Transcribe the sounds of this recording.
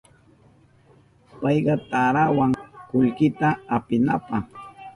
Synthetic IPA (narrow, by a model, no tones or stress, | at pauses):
pɑjɢɑt̪aɾawaŋkʊʎkɪt̪aːpɪnapɑχ